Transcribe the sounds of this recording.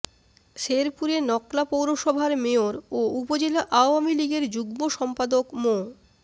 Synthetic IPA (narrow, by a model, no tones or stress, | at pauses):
ʃeɾpuɾenɔklapowɾoʃɔbʱaɾmeoɾoupod͡ʑelaʔaoamiliɡeɾd͡ʑuɡmoʃɔmpad̪okmo